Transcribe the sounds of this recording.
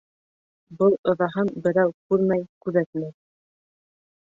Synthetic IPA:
bɤlˠŏðɑɦɤnbɘ̆ɾæwkʉɾmæjkʉðæt̪mæj

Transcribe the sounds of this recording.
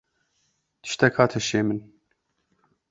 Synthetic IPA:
d̪ʰi̥ʃt̪ʰɛkʰaːt̪ʰɛʃemin

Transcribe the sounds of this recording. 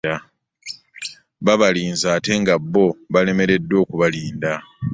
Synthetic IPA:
a | βaβaliːnzaːte̞ŋɡabːo̞βale̞me̞ɾe̞dːo̞ːkuβaliːnda

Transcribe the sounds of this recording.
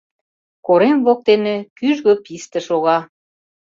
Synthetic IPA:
koɾemβok̚t̪enĕkyʒɣøpist̪ə̆ʃoɣɑ

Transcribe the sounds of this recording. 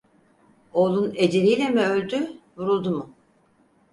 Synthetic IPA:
o̞ːlˠune̞d͡ʒeɾijlʲemiølʲd̪y | vuɾulˠd̪umʊ

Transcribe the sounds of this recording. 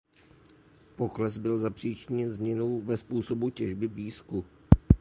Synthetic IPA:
po̞klɛzbɪlzapr̝̥iːt͡ʃɪɲɛnzmɲɛnowvɛspuːso̞bucɛʒbɪbiːsku

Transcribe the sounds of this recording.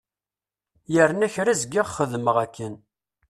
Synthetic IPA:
jəɾnæçɾæzəɡːiʁχəðməʁækʰːən

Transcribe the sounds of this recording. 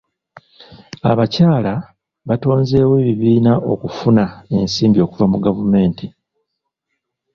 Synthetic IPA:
a̰βacaːla | βato̞ːnze̞ːweːβiβiːnaʔo̞̰kufunae̞nsiːmbio̞kuvamuɡavume̞ːnti

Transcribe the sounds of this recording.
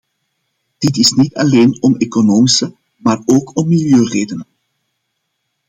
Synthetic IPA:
d̥ɪtɪsnitɑleːnɔmeːkonoːmisə | maːroːkʰɔmːɪljøːreːdənən

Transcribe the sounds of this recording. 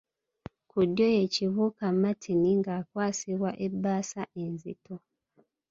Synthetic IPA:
kudːjoje̞ciβukamːatʰiniŋɡaːkwaːsiβwaʔebːaːsaʔe̞nzḭto

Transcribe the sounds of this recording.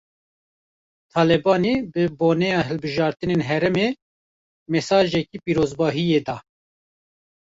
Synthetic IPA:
t̪ʰɑːlɛbɑːnebɨboːnɛjɑːɦɨlbɨʒɑːɾt̪ɨneːnɦɛɾɛmeː | mɛsɑːʒɛkiːpiːɾoːzbɑːɦijeːd̪ɑː

